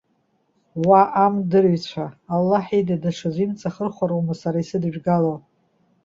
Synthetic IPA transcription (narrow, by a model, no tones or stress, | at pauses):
waʔːmdɨrɥt͡ɕʷʰaːlːaħidadaʂazimt͡sʼaχərχʷaɾowmɨsaɾaisɨdʒᶣɡalo